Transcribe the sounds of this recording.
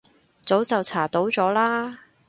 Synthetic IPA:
t͡so˨˥wt͡sɐ˨wt͡sʰaː˨˩t̪o˨˥wt͡sɔː˨˥laː˥

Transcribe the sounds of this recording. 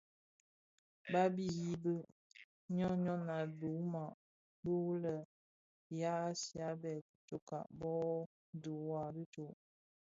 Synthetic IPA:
ba˦bi˦ji˦bə˦ | ɲɔ˦ɲɔ˦na˨du˨˦ma˨ʔ | bu˦lə˨ | ja˦si˨a˦bɛ˨t̚t͡ʃo˨ka̰˨ʔbɔ˦ | du˨wa˦˨bi˦t͡ʃo˨ʔ

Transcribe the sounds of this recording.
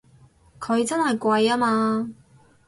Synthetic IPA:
kʰɵ˨˧ɥt͡sɐ˥nhɐ˨jkʷɐ˧jaː˥maː˧

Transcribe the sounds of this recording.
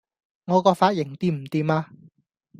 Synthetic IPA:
ŋɔː˨˧kɔː˧faː˧t̚jɪ˨˩ŋt̪iː˧˥m̩˨˩t̪iː˨˧maː˧

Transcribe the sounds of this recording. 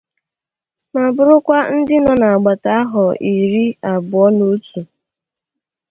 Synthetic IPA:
ma˨bʊ˨ɾʊ˦kʷa˦n̩˦dɪ˦nɔ˨na˨a˨ɡ͡ba˨ta˦a˦ɦɔ˨ʔi˨ɾi˦a˨bʊ˨ɔ˦no˦tu˨

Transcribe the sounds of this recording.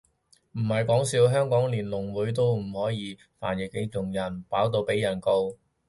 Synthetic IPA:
m̩˨˩hɐ˨jkɔː˨˥ŋsiː˨˥wɦœː˥ŋkɔː˨˥ŋliː˨˩nlʊ˨˩ŋwuː˨˥jt̪̬o˥wm̩˨˩hɔː˨˥jiː˨˥ | fa̰ː˨˩njɪ˨˩k̚ːe˧ŋʊ˨˩ŋjɐ˨˩npaː˨˥wt̪̬o˧wpe˨˥jɐ˨˩nko˧w

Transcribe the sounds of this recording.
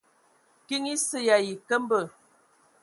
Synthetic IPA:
ki˦ŋi˦sə˦ja˨ji˨kə˦m˦bə˨

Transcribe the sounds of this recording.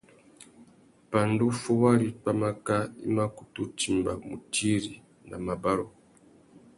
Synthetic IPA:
pa˨ndu˦fu˦wa˦ɾi˦pa˦ma˦ka˦ḭ˦ma˦ku˨tu˦ti˨mba˨mu˨ti˦ɾi˨ | na˨ma˨ba˦ɾɔ˨

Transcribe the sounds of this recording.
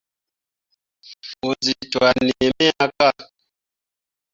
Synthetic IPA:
fu˨nzi˨twa˨ni˨ɛ˨mɛ˦a˦ka˦˨

